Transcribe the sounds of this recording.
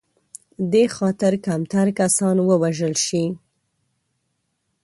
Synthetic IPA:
d̪exɑt̪ɪɾkamt̪aɾkasɑnwəwaʒəlʃi

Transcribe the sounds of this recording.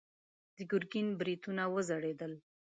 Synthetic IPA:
d̪̥əɡʊɾɡinbɾit̪unawəzaɽed̪əl

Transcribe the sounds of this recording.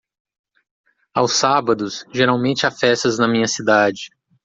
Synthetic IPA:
awsːabɐd̪ʊsʒeɾawmẽnt͡ʃɪafɛst̪ɐznɐmĩɲɐsid̪ad͡ʒɪ

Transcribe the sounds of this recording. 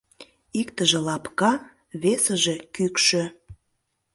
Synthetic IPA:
ikt̪əʒĕlɑpkɑ | βesəʒekykʃø̆

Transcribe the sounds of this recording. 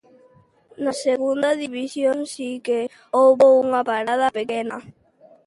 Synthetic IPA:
naseɣund̪aðiβisjoŋsike | oβouŋapaɾað̞apekena

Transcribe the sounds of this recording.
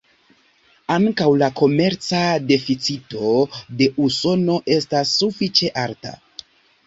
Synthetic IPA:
aŋkawlako̞me̞ɾt͡sade̞fit͡sito̞de̞ʔuso̞no̞ʔe̞stasːufit͡ʃe̞ʔaɾta̰

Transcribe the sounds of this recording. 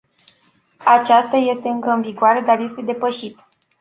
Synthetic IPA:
at͡ʃast̪aje̞st̪e̞ɨŋkəɨnviɡoaɾe̞d̪arje̞st̪e̞d̪e̞pəʃit̪

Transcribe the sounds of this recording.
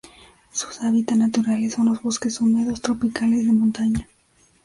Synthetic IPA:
su̥saβit̪anat̪uɾaleso̞nlozβo̞ske̞sumeðo̞st̪ɾo̞pikale̞zðe̞mõnt̪aɲa

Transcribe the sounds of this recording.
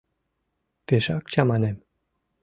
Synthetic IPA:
peʃɑk̚t͡ɕɑmɑnem

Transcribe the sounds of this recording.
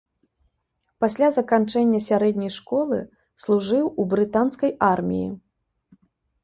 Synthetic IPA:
pasʲlʲazɐkant͡ʂɛnʲːɐsʲaɾɛd̪ʲnʲɐjʂkɔlˠɨ̰ | slˠuʐɨwubɾɨt̪anskɐjarmʲḭjḭ

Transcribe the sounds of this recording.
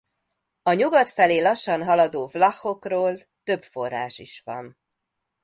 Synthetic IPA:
ɒɲuɡɒt̪fɛleːlɒʃːɒnɦɒlɒd̪oːvlɒxo̞kroːl | t̪ø̞bfo̞rːa̰ːʃiʃʋɒ̰n

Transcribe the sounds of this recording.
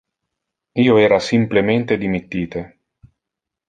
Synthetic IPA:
iːoɛːɾasimplement̪ed̪imit̪ːiːt̪e

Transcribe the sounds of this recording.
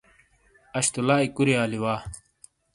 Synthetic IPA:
ɐɕt̪ulaːikuɾiaːliwaː

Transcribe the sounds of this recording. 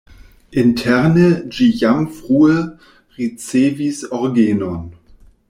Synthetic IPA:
ʔɪntʰɛʁnəd͡ʒijamfʁ̥uːə | ʁit͡seːvisɔʁɡeːnɔn

